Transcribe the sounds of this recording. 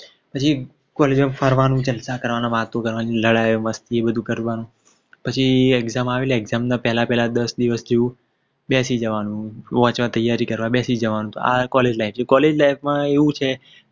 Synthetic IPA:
pət͡ʃʰi | kɔled͡ʒmãfʰəɾʋanũt͡ʃəlsakəɾʋanãʋaɦt̪õkəɾʋaniləɽajoməst̪iebəd̪ʱũkəɾʋanũ | pət͡ʃʰieɡzamaʋeleeɡzamnãpɛɦlapɛɦlad̪əsd̪iʋəsd͡ʒeũ | bɛsid͡ʒəʋanũʋɔ̃t͡ʃʋãt̪əjːaɾikəɾʋãbɛsid͡ʒəʋanũt̪oa̰kɔled͡ʒlaift͡ʃʰekɔled͡ʒlaifmãeʋũt͡ʃʰe

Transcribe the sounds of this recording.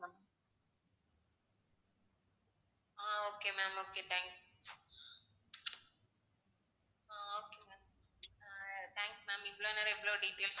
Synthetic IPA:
m | aoːkemaːmoːket̪ʰɛ̃ːŋks | ooːkemaːm | t̪ʰɛ̃ːŋksmãːmiplonəɾebloːɖiʈeːls

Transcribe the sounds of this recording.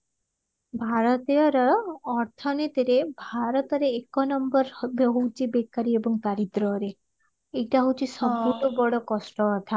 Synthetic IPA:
bʱaɾɔt̪ijɔɾɔɔɾt̪ʰɔnet̪iɾebʱaɾɔt̪ɔɾeːkɔnɔmbɔɾbɦowt͡ʃʰibekaɾiebɔŋt̪aɾit̪ɾɔɾe | eʈaɦowt͡ʃʰisɔbuʈɔbɔɽɔkɔsʈɔːt̪ʰa

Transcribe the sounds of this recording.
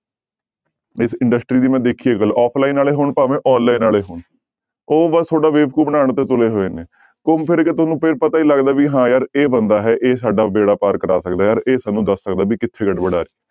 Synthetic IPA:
ɪsɪ̃ɳɖəsʈɾiːd̪iːmɛ̃ːd̪ekʰiːeːkəlɔːpʰlaːiːnaːleːɦoːɳpaːʋẽːʔɔːnlaːiːnaːleːɦoːɳ | oːbəst̪ʰoːɖaːʋeːʋkuːbənaːɳt̪eːt̪ʊleːɦoːeːneː | kʊmpʰɪɾket̪ʊsnũːpʰɪɾpət̪aːiːləɡd̪aːʋiːɦãːjaːɾeːbənd̪aːɦɛːʔeːsaːɖaːbeːɽaːpaːɾkəɾa̰ːsəkd̪aːjaːɾeːsaːnːũːd̪əsːəkd̪aːbiːkɪt̪ʰːeːɡəɖbəɽaːɾiː

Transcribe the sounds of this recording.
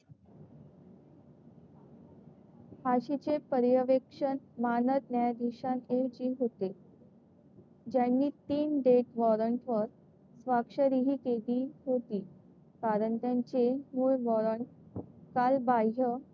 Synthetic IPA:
haɕit͡ɕepəɾjəʋekʂənmanət̪njajd̪ʱiɕanekd͡ʑiːɦot̪e | d͡ʑjanːiːt̪iːnɖeʈʋɔɾəɳʈʋəɾ | sʋakʂəɾiɦiːkeliːɦot̪iː | kaɾəɳt̪jaɲt͡ɕemuɭʋɔɾəɳʈkalbaə

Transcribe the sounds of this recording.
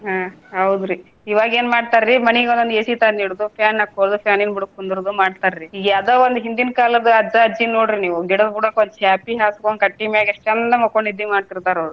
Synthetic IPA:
ɦaː | ɦɐwd̪ɾi | iːʋaːɡe̞ːnmaːɽt̪aːɾɾimɐniɡond̪ɐnd̪eːsit̪aːniːɽud̪upʰaːnːɐkːoɾd̪upʰjaːninbuɽukund̪ɾud̪umaːɽt̪aːɾɾiiɡɐd̪oːʋond̪uɦind̪inkaːlɐd̪ɐɐd͡ʒɐɐd͡ʒinoːɽɾiniːʋuɡiɽɐd̪ɡuɽɐkond̪t͡ʃaːpiɦaːskonkɐʈːimjaːɡeʂt͡ʃɛnːɐmokoɳɖid̪imaːɖt̪iɾt̪aːɾoːd̪u

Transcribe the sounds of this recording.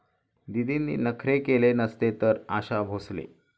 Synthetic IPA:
d̪id̪iːnːḭːnəkʰɾekelenəst̪et̪əɾaɕabʱoslḛ

